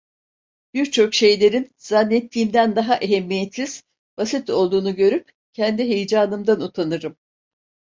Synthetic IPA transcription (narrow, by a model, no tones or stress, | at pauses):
b̥iɾt͡ʃʰo̞kʃe̞jlʲe̞ɾinz̥anːɛt̪ʰːiːmd̪ænd̪aɦaʔeɦɛmːijet̪siz̥ | basit̪o̞lˠd̪uːnuɟø̞ɾyp̚ | cʰɛnd̪iɦe̞jd͡ʒaːnɯmd̪anut̪ʰanɯɾɯm